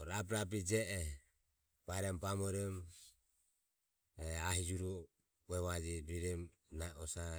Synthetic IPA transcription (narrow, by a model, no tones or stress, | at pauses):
ɾapɾap̬id͡ʒɛʔɛ | b̥aɾɛmbamɔɾɛm | ɛaɦid͡ʒuɾu | wɛβad͡ʒiɾiɾɛm | naɔsa